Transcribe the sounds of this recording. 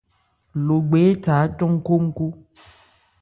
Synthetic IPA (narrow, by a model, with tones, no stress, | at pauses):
lo˨ɡ͡be˨˦ta˨˦tɔ˦ŋ̩˦ko˦ŋ̩˦ko˦